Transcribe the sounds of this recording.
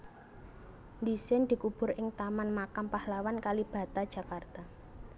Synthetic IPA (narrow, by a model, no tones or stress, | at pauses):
nd̪isɪnd̪̥i̤kub̥ʊ̤ɾɪŋt̪amanmakampahlawankalib̥ä̤t̪ad̥ʒ̥ä̤kart̪a